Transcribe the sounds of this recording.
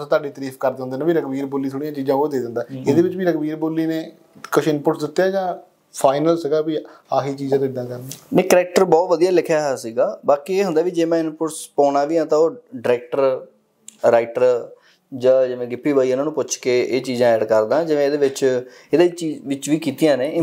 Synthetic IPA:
t̪aːɖiːt̪əɾiːfkəɾd̪ẽnd̪eːnãːbiːɾəkbiːɾboːliːt̪ʰoːɽijãːt͡ʃiːzãːoːd̪eːd̪ə̃nd̪aːed̪eːʋɪt͡ʃʋiːɾəkbiːɾboːliːneː | kʊt͡ʃʰɪnpʊʈsd̪ɪt̪ːjaːd͡ʒãː | pʰaːɪnəlsəɡaːbiː | aːkiːt͡ʃiːd͡ʒãːd̪ɪd̪ãːkəɾneneːkəɾɛːk̚ʈəɾbɔːt̪ʋəd̪ijaːlɪkʰjaːɦɛːsiːɡaːbaːkieːɦʊ̃nd̪aːʋiːd͡ʒeːmɛ̃ːɪnpʊʈspɔːnaːʋiːãːt̪ãːoːɖɪɾɛːk̚ʈəɾ | ɾaːɪʈəɾ | d͡ʒãːd͡ʒɪʋẽːɡɪpːiːbaːĩːnãːnũːpʊt͡ʃkeːʔeːt͡ʃiːzãːɛːɖkəɾd̪ãːd͡ʒɪʋẽːd̪eːʋɪt͡ʃ | ed̪eːt͡ʃiːʋɪt͡ʃʋiːkiːt̪ijãːneː

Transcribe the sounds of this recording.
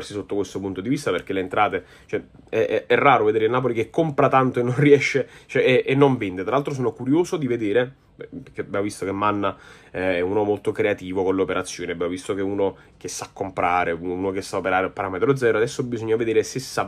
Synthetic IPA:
rsisot̪ːokwest̪opunt̪od̪ivist̪aperk̟elent̪ɾaːt̪e | t͡ʃoɛ | ɛɛɛrːaːɾoved̪eːɾeinːaːp̬olikekːompɾat̪ant̪oenːonriɛʃːet͡ʃɛʔɛʔːnːoɱvɛnd̪et̪ɾalalt̪ɾos̬oːnokuɾjoːzod̪ived̪eːɾe | pekeabjaːmovist̪okemːanːa | ɛɛuːnomolt̪okɾeat̪iːvokonleopeɾat̪sːjoːniabjaːmovist̪okeuːno | k̟esːakːompɾaːɾeuːnok̟esːaopeɾaːɾepːaɾaːmet̪ɾod̪zɛːɾoad̪ɛsːobizoɲːaved̪eːɾesesːa

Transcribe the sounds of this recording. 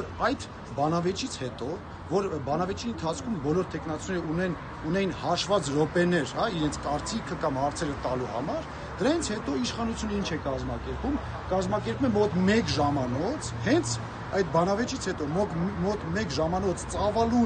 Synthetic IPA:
ɔɾɑjd̪ | bɑnɑvɛt͡ʃʰit͡sʰhɛt̪ɔ | vɔɾbɑnɑvɛt͡ʃʰiənt̪ʰɑt͡sʰkʰumbɔlɔɾt̪ʰɛkʰnɑt͡sunɛɾəunɛn | unɛjinhɑʃvɑt͡sɾɔpɛnɛɾhɑiɾɛnt͡sʰkɑɾt͡sikʰəkɑmhɑɾt͡sʰɛɾət̪ɑluhɑ̰mɑɾ | d̪̥əɾɑjint͡sʰhɛt̪ɔiʃχɑnut͡sʰjunəint͡ʃʰɛkɑzmɑkɛɾpum | kɑzmɑkɛɾpumɛmɔt̪mɛkʒɑmɑnɔt͡sʰhɛnt͡sʰ | ɑjt̪̚bɑnɑvɛt͡ʃʰit͡sʰhɛt̪ɔmɔt̪mɔt̪mɛkʒɑmɑnɔt͡sʰt͡sɑvɑlu

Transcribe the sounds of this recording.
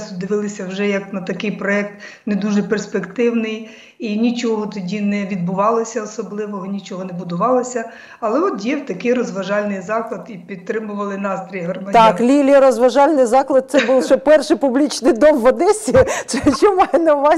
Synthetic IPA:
st̪ʊd̪ɪʋɪlˠɪsʲɐwʒɛjɐknɐt̪ɐkɪjpɾɔɛk̚t̪ned̪uʒɛperspekt̪ɪwnɪj | inʲit͡ʃɔɦɔt̪ɔdʲinɛʋʲid̪̚bʊʋɑlˠɪsʲɐɔsɔblˠɪʋɔɦɔnʲit͡ʃɔɦɔnɛbʊd̪ʊʋɑlˠɪsʲɐ | ɐlˠɛɔt̪jɛwt̪ɐkɪjɾɔzʋɐʒɑlʲnɪjzɑklˠɐd̪ipʲid̪̚t̪ɾɪmʊʋɐlˠɪnɑst̪ɾʲijɦɔrmɐdt̪ɑklʲilʲɾɔzʋɐʒɑlʲnɪjzɑklˠɐd̪̚t̪sɛbulˠʃt͡ʃɔpɛrʃɪpublʲit͡ʃnɪjd̪ɔmʋɐd̪ɛsʲisɛt͡ʃɔmɑjnɐʋɑ

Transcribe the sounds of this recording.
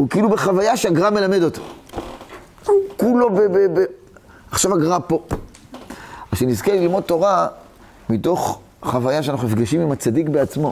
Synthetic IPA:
hukiilube̞χavajaʃeaɡʁame̞lame̞dot̪ḁ | ukulo̞bebebe | aχʃavaɡʁapo̞ | aʃenizkelilmo̞d̪̚to̞ʁa | mito̞χ | χavajaʃeanaχunmifɡaʃimimat͡sadikbe̞at͡smo̞

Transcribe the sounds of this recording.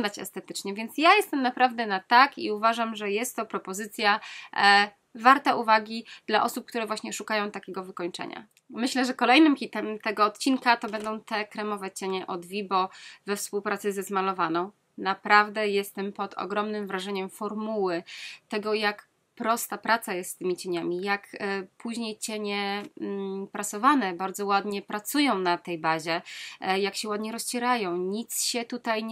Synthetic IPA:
d̪at͡ɕɛ̰st̪ɛt̪ɘ̥t͡ʂɲɛvʲjɛnt̪sjajɛst̪ɛmnapɾavd̪ɛnat̪akḭuvaʐamʐɛjɛst̪ːɔpɾɔpɔzɘt̪sʲja | vaɾt̪aʔuvaɡʲid̪̥laʔɔsup̚kt̪uɾɛvwaɕɲɛʂukajɔ̃w̃t̪akʲɛɡɔvɘkɔɲt͡ʂɛ̰ɲa̰ | mɘɕlɛʐɛkɔlɛjnɘmxʲit̪ɛmt̪ɛɡɔːt̪̚t͡ɕinkat̪ɔbɛnd̪ɔ̃w̃t̪ɛkɾɛmɔvɛt͡ɕɛɲɛʔɔd̪vʲibɔvɛfspuwpɾat̪sɛzɛzmalɔvanɔ̃w̃ | napɾavd̪ɛjɛst̪ɛmpɔd̪ɔ̰ɡɾɔmnɘmvɾaʐɛɲɛmfɔɾmuwɘt̪ɛɡɔjak | pɾɔst̪apɾat̪sajɛst̪ːt̪ːɘmʲit͡ɕeɲamʲijakpʰuʑɲejt͡ɕɛɲɛ | pɾasɔvanɛbaɾd̪zɔwad̪ɲɛpɾat̪sujɔ̃w̃nat̪ɛjbaʑɛjakɕɛwad̪ɲɛɾɔst͡ɕɛɾajɔ̃w̃ɲit̪sɕɛt̪ut̪aj

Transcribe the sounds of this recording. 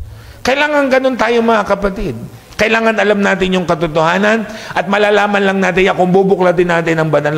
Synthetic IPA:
kɐjlaːŋɐŋɡɐno̞nt̪aːjoŋmɐŋakɐpɐt̪ɪd̪̚ | kɐʔɪlaːŋɐnɐlamnaːt̪ɪnjʊŋkɐt̪ʊt̪ohaːnɐnʔɐt̪̚mɐlaːlaːmɐnlɐŋnaːt̪̬ɪnɐkʊŋbubʊklat̪ɪnːaːt̪ɪnɐŋbɐnɐl

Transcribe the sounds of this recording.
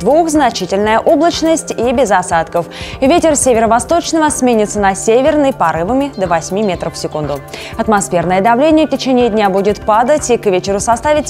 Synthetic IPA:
d̪vuxznɐt͡ɕitʲɪlʲnəjəʔo̞blˠət͡ɕnəsʲtʲibʲɪzɐsat̪kəfvʲetʲɪrsʲevʲɪɾəvɐst̪o̞t͡ɕnəvəsmʲenʲɪt̪sənɐsʲevʲɪrnəjpɐɾɨvəmʲɪd̪əvɐsʲmʲimʲe̞t̪ɾəfsʲɪkund̪ʊ | ɐt̪mɐsfʲe̞rnəjəd̪ɐvlʲenʲɪjəftʲɪt͡ɕenʲɪːdʲnʲabudʲɪt̪pad̪ətʲikvʲet͡ɕɪɾʊsɐst̪avʲɪtʲ

